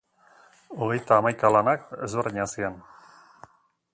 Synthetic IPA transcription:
oɣejt̪aːmajkalanakzoɾeɲasian

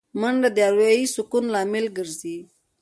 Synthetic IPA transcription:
məɳd̪əd̪jɑɾuisʊkunlɑmɪlɡəɾzi

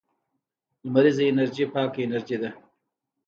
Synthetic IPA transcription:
d̪maɾizaɪnaɾʒipɑːkaɪnaɾd͡ʒid̪a

